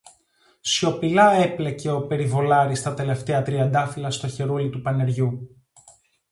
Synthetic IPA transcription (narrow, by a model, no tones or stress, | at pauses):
so̞pilɐeple̞ce̞o̞pe̞ɾivo̞lɐɾist̪ɐt̪e̞le̞ft̪eɐt̪ɾiɐnd̪ɐfilɐst̪o̞çe̞ɾulit̪upɐne̞ɾʝu